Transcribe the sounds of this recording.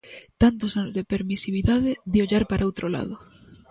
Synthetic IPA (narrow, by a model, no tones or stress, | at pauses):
t̪ant̪osanozðepeɾmisiβ̞iðaðed̪ioʎaɾpaɾʔaowt̪ɾola̰ðo